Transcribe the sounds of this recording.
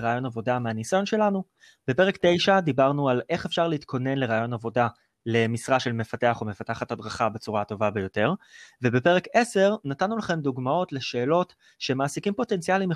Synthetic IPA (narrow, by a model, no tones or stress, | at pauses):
ʁaːjo̞navo̞dameanisajo̞nʃe̞lanu | b̥e̞pe̞ʁ̞ekte̞jʃad̪ibaʁnualʔe̞χefʃaʁleitkʰo̞ne̞nleʁaːjo̞navo̞da | le̞misʁaʃe̞lme̞fate̞aχo̞me̞fataχathadʁaχabet͡suʁato̞vabe̞jo̞te̞ʁve̞be̞pe̞ʁeke̞se̞ʁnatanːulaχe̞md̪uɡmao̞tle̞ʃe̞ːlo̞t | ʃe̞maːsikimpo̞te̞nt͡sialim